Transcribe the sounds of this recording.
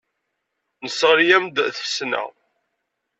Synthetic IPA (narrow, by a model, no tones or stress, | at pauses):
nəsːəʁɾjæmd̪θəsnə̰